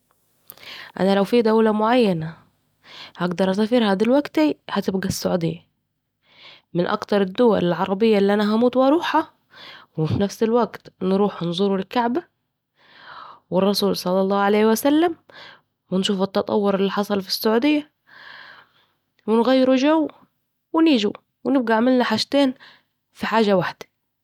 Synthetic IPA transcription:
ʔæ̰nælawfiːd̪æwlamʊʕajːana | haɡd̪ɑɾˤʔæsafiːɾhad̪ilwæɡt̪ihat̪ɪb̚ɡæsːʊʕuːd̪ɪ̰jːa | mɪnʔɑ̰kt̪ɑɾˤɪd̪ːʊwæ̰lɪlʕɑɾˤɑbɪjːaʔɪlːiʔænaɦæmuːt̪wʔɑɾˤuːħa | wɪfinæfsɪlwaɡt̪nɾuːħnzˤuɾulɪkːaʕba | wɪrˤːɑsuːlsˤɑlːɑlˤːɑːʕaleːhwasalːam | wɪnʃuːfɪt̪ːɑt̪ˤɑ̰wːʊɾɪlːiħɑsˤɑlfi̥sːʊʕuːd̪ɪjːa | wɪnɣajːɪɾuʒawː | wɪniːʒu | wɪnɪb̚ɡaʕamɪlnaħaːʃt̪eːn | fiħaːʒawaħd̪̥ḁ

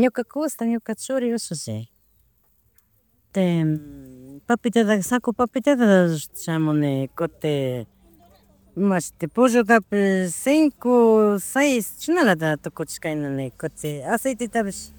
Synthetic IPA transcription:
ɲʊkakʊst̪aɲʊkat͡ʃʊɾɪosʊsḭ | t̪e | papɪt̪eðasakʊpapɪt̪et̪at͡ʃamonekot̪e | mat͡ʃt̪epʊʒok̪apesiŋkosejst͡ʃʊnaɾat̪̬at̪ʊkʊt͡ʃkajnanekot̪easejt̪et̪aβes

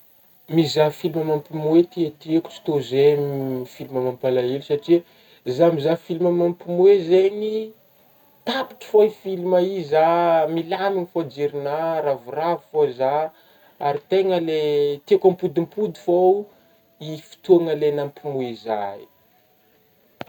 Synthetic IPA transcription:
mizafiliməmampimuet̪iat̪ieku̥t͡si̥t̪ozefiliməmampalaelisaʈ͡ʂiə | zamizafilimamampimuezeɲi | t̪api̥ʈ͡ʂə̥foifilimaizamilaniŋifod͡ʒiɾinaɾavuravifoza | aɾit̪eŋəlet̪iekampud̪impud̪ifo | ifi̥t̪uaŋəlenampimuiza̰i

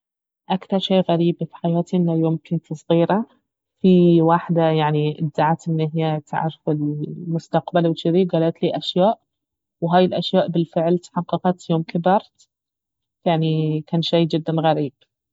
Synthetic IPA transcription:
ʔakθɑɾˤʃeːɣaɾiːbfi̥ħajaːt̪iʔɪnːajoːmkɪnt̪ʰɨsˤɣiːɾa | fiwaħd̪ajaʕniʔɪd̪zaʕat̪ʔɪnʔɪɦɪjat̪ʰa̰ʕɾfɪlmʊst̪aqbalwt͡ʃɪɾiɡaːlaːt̪liːʔaʃjaːʔ | wɦaːjɪlʔaʃjaːʔbɪlfɪʕlt̪ħɑqːɑqɑt̪joːmkʰɪbɑɾˤt̪ | jaʕnikaːnʃajd͡ʒɪd̪ːanɣaɾiːb̥̚

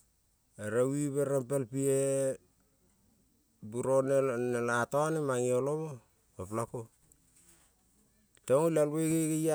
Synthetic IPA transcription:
eɾawiβeɾampelpie | buɾonenelatoanemaŋioloβo | koplako | toŋolalβekekeja

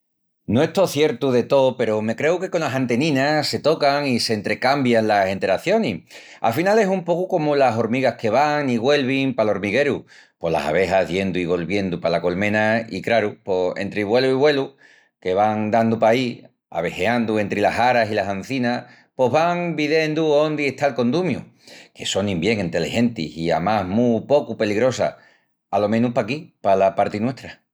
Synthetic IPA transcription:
noeht̪o̞θje̞ɾt̪uðe̞t̪o̞pe̞ɾome̞kɾe̞uke̞ko̞naɦant̪e̞nĩnase̞t̪o̞kaŋise̞ːnt̪ɾe̞kambjanlase̞nt̪e̞ɾaθjo̞ni | a̰finale̞sumpo̞kuko̞mulaso̞ɾmiɣahke̞βaŋiɣwe̞lβiŋpalo̞ɾmiɣe̞ɾu | po̞la̰sa̰βe̞ɦaɦðje̞nd̪uiɣ̞o̞lβje̞nd̪upalako̞lmẽ̞naḭkɾaɾupo̞e̞̰nt̪ɾeβwe̞luiβwe̞lu | ke̞βaŋd̪and̪upai | a̰βe̞he̞and̪ue̞nt̪ɾelasaɾasilasan̟θina | po̞ɦβaŋbiðe̞nd̪uond̪ieht̪alko̞nd̪umjuke̞so̞nĩmbje̞ŋẽnt̪e̞lehe̞nt̪ḭsia̰maɦmupo̞kupe̞liɣɾo̞sa̰ | alo̞mẽ̞nupakipalapaɾt̪inwe̞ht̪ɾa

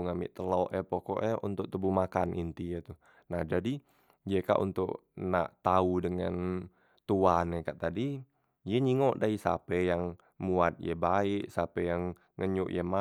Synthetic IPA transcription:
ŋamɪ̰ʔt̪əlɔʔɛpɔkɔ̰ʔɛṵnt̪ʊk̚t̪əbuhmakanʔint̪ijɛt̪u | nahd͡ʒadi | jɛka̰ʔṵnt̪ʊkna̰ʔt̪audəŋa̰n | t̪uanɛkaʔt̪adi | jɛɲiŋɔʔdaisa̰pɛjaŋ | muat̪̚jəbaɪʔsapɛjaŋ | ŋəɲʊʔjɛma

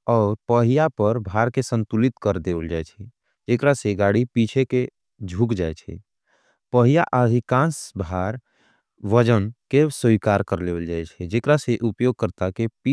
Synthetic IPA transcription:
ɔːɾpəɦijapəɾbʱaɾkesə̃nt̪ulit̪kəɾd̪ewəld͡ʒaɛt͡ʃʰɛ | d͡ʒekɾaseɡaɽipit͡ʃʰeke | d͡ʒʱukd͡ʒaːɛt͡ʃʰɛ̰ | pəɦijaʔəd̪ʱikãːnsbʱaɾ | ʋəd͡ʒənkesikaɾkəɾleʋəld͡ʒaɛt͡ʃʰɛd͡ʒekɾaseʔupjoɡ̚kəɾt̪akepi

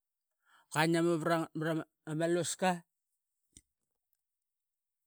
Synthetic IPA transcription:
kanamaβɾaɾam | amaloska

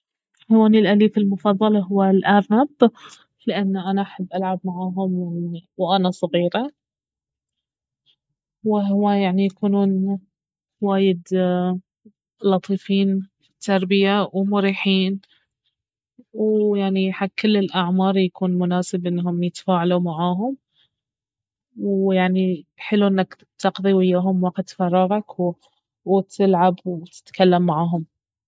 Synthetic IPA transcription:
hawaːnilʔaliːfɪlmʊfɑðˤːɑlɑɦʊwːalʔaːɾnab̪ | lɪʔanːaʔanaʔaħabːʔalʕabmaʕaːɦʊmwɪwʔanasˤɑɣiːɾa | wɪɦwajaʕnijakuːnuːn | waːjɪd̪ | lɑt̪ˤiːfiːn | t̪ʰːɑɾˤbɪjawmʊɾiːħiːn | wjaʕniħaɡ̚kːɪlːɪlʔaʕmɑːɾˤjakʰuːnmʊnaːsɪbʔɪnːɦʊmjɪt̪ḁfaːʕalumaʕaːɦʊm | wjaʕniħɪluʔɪnːak | t̪ɑqðˤiwɪjːaːɦʊmwɑqt̪fɑrˤːɑɣɑkw | wt̪ʰɪlʕabwt̪ɪ̥t̪kalːamːaʕaːɦʊm

